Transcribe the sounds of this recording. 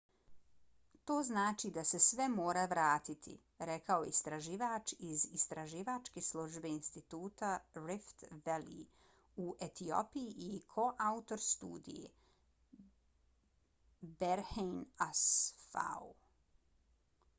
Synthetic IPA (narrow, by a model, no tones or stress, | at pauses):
t̪o̞ːznaːt͡ʃid̪ase̞sʋe̞moːɾaʋɾaːt̪it̪ʰḭ | ɾekao̞jḛist̪ɾaʒiːʋaːt͡ʃizist̪ɾaʒiːʋaːt͡ʃkeslˠuʒbe̞inst̪it̪uːt̪aɾift̪ʋelḭ | uʔet̪io̰pijiʔikʰo̞ʔaut̪o̞ɾst̪ṵːd̪ḭjḛ | beɾhejnasfa̰u